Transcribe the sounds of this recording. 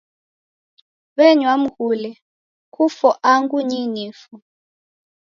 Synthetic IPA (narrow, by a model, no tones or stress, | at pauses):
βɛɲwam̩kulɛ | kʰufɔʔaŋɡuɲiniːfu